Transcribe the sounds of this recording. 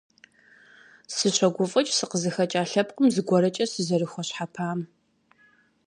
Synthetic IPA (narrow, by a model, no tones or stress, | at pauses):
sɨɕʷɐɡʷʊfʼɐt͡ʃʼsɨqəzɨxɐt͡ʃʼaːɬɐpqʼəmzɨɡʷɔɾɐt͡ʃʼɐsɨzɐrɨxʷɔɕħapʰaːm